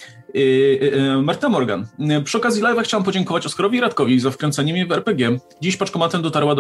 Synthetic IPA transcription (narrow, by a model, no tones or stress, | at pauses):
maɾt̪ɛnamɔɾɡa̰npʂɨɔkazʲjilajvaxt͡ɕawampɔd͡ʑɛŋkɔvat͡ɕɔskaɾɔvʲiɾat̪kɔvʲizafkɾɛnt̪sɛɲɛmʲɛvɛɾpɛɡʲjɛ | d͡ʑiɕpat͡ʂkɔmat̪ɛmd̪ɔt̪aɾwad̪